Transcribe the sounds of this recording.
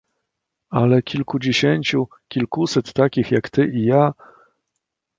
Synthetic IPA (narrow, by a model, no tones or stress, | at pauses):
alɛkʲilkud͡ʑeɕeɲʲt͡ɕu | kʲilkusɛt̪ːakʲixjakt̪ɘʔija